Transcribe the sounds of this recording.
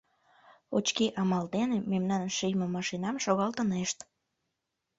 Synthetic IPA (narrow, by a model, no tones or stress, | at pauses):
ot͡ɕkiʔɑmɑld̪enememnɑnʃyjmemɑʃinɑmʃoɣɑlt̪əneʃt̪